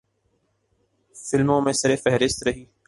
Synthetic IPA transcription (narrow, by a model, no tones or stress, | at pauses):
fɪlmõmẽsɐɾefɛɦɾɪst̪ɾɐɦiː